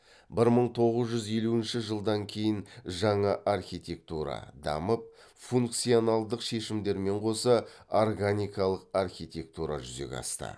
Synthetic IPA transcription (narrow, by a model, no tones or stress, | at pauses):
bɪɾməɴt̪ʰo̞ʁəzʒʏzje̞luɪnʃɪʒəlˠd̪ɑŋkʲʰe̞jɪnʒɑɴɑʔarxʲijt̪ʲe̞k̚t̪uɾɑ̰d̪ɑ̰məp̚ | fuŋk̚t̪sijo̞nalˠd̪əqʃe̞ʃɪmd̪e̞ɾme̞ɴqʰo̞səorɡanʲijkɑlˠəqarxʲijt̪ʲe̞k̚t̪uɾɑ̰ʒʏze̞̰kʲɑ̰st̪ə̰